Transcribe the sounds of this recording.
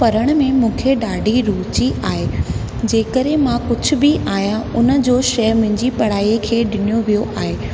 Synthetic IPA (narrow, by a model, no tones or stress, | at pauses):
pɐɾəɽ̃mẽmũːkʰeɗaːɖʱiɾuːt͡ɕiʔaːɦeː | d͡ʑeːkəɾẽmãkʊd͡ʑʱʊ̆bɪʔaːɦijãʊnə̆d͡ʑoːʃɐɦmʊ̃ɦɪ̃ɲd͡ʑipɐɽ̤aːiekʰeːɗɪnijoʋijoʔaːɦeː